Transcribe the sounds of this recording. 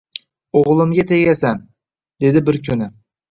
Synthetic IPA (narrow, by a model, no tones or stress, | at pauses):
oʁlˠɪmɡʲat̪ʰeɡʲasan | d̪e̞d̪ɪbɪɾkʰʲʊnɪ